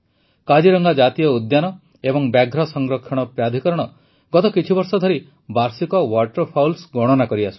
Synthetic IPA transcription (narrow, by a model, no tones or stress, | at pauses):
kad͡ʒiɾɔŋɡad͡ʒat̪ijɔud̪janɔ | ebɔŋbaɡʱɾɔsɔŋɡɾɔkʰːɔɽ̃ɔpɾad̪ʱikɔɾɔɽ̃ɔ | ɡɔt̪ɔkit͡ʃʰibɔɾsɔd̪ʱɔɾi | baɾsikɔwaʈɔɾpʰawlsɡɔɽ̃ɔnakɔɾiasʰu̥